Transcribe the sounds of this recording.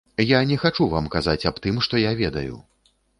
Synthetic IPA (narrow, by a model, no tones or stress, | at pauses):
janʲɛxat͡ʂuvamkazat͡sʲapt̪ɨmʂt̪ɔjavʲɛd̪ɐjṵ